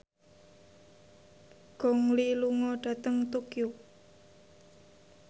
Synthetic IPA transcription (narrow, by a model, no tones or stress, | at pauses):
ɡ̥ɔŋliluŋɔɖ̥ä̤t̪əŋt̪ukju